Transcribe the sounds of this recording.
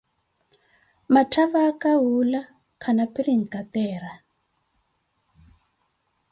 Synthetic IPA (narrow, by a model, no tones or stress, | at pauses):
matʰaβakaɦula | kʰanapiɾiŋ̩kat̪ɛːra